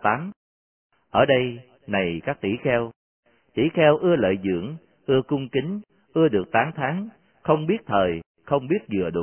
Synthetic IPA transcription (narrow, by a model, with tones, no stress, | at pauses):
t̪aː˨˦m | ʔəː˧˩ɗə˧j | na˨˩jkaː˦˥k̚t̪ḭ˧˩xɛ˧w | t̪ḭ˧˩xɛ˧wʔɨ˧ələ̰ː˧˨jzɨ̰˧˩˨əŋ | ʔɨ˧əkʊ˧ŋ͡mkï˨˦ŋ̟ | ʔɨ˧əɗɨ˨˩ək̚t̪aː˨˦nt̪ʰaː˨˦ŋ | xə˧wŋ͡mɓi˦˥ət̚t̪ʰəː˨˩j | xə˧wŋ͡mɓi˦˥ət̚zɨ˨˩əɗu˨˩